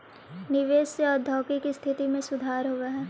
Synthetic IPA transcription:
nɪʋeːseɔːɾd̪ʱɔːkikist̪ʰɪt̪imẽsʊd̪ʱaːɾɦoːɡaɦɛː

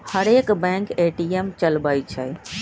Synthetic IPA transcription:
həɾekbɛ̃ŋkeʈiemt͡ʃəlbəjt͡ʃʰə̰

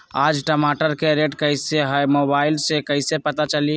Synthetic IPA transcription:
ad͡ʒʈəmaʈəɾkeɾeʈkəɪseɦəjmobailsekəɪsepət̪at͡ʃəli

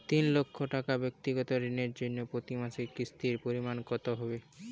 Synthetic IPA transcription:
t̪inlokʰːoʈakabek̚t̪iɡɔt̪oɾineɾd͡ʑonːopɾot̪imasekist̪iɾpoɾimankɔt̪oɦɔbe

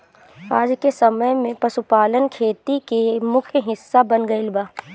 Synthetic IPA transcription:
aːd͡ʒkesɐməjmẽpɐsupaːlənkʰeːt̪ikemʊkʰjəɦɪsːabɐnɡɐilbaː

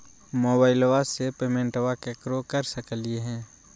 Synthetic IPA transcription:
moːbaːɪlʋasepeːmẽːɳʈʋakekɾokəɾsəkəlieɦɛ̃ː

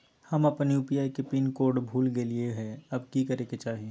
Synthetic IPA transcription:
hɐmɐpniʊpjaekepinkoːɾɖbʱuːlɡelieɦɛɐbkikɐɾeket͡ʃaːɦiẽ

